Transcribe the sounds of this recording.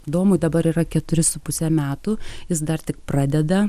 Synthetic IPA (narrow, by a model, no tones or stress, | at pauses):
d̪oːmʊɪd̪ɐbɐɾiːɾɐkʲɛt̪ʊɾʲɪsʊpʊsʲɛmʲæːt̪ʊjɪs̬d̪ɐrt̪ʲɪk̚prɑːd̪ʲɛd̪ɐ